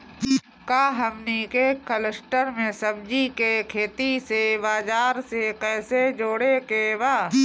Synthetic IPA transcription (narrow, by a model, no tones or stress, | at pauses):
kaːɦəmnikekələsʈəɾmẽsəbd͡ʒikekʰeːt̪isebaːd͡ʒaːɾsekɛːsed͡ʒoːɽekebaː